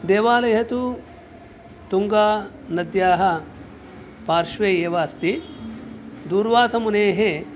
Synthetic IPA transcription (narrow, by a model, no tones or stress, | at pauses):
d̪eːʋaːlɐjɦɐt̪u | t̪uŋɡaː | nɐd̪jaːɦɐ̆ | paːɾʃʋeːeːʋaːst̪i | d̪uːɾʋaːt̪ɐmuneːɦe